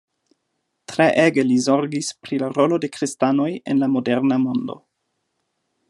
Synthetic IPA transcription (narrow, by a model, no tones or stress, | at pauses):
tɾeʔeɡe̞lizo̞ɾɡispɾilaɾo̞lo̞de̞kɾistano̞jḛnlamo̞de̞ɾnamo̞ndo̞̰